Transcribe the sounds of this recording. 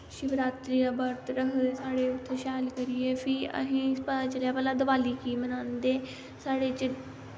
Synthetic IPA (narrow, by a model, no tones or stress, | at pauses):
ʃɪʋɾaːt̪ɾiːɾabaɾt̪ɾəɦsaːɽeʊt̪ʰːeʃaːlkɐɾiefʰiɐ̰ɦĩspət̪at͡ʃɐljapəlad̪ɐʋaːlikimɐnãːnd̪eː | saːɽet͡ʃɪ